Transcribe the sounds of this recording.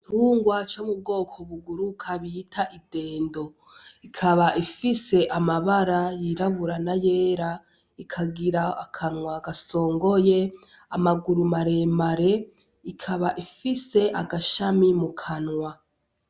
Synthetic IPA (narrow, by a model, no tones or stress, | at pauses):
tʰuːŋɡwat͡ʃomub̚ɡo̞ːkʰo̞βuɡuɾukʰaβitʰaʔide̞ːndo̞ | ikʰaβaʔifise̞ʔamaβaɾajiɾaβuɾanaje̞ːɾa | ikʰaɡiɾaakʰanŋwaɡaso̞ːŋɡo̞je̞ | amaɡuɾumaɾe̞ːmaɾe̞ | ikʰaβaʔifise̞ʔaɡaʃamimukʰanŋwa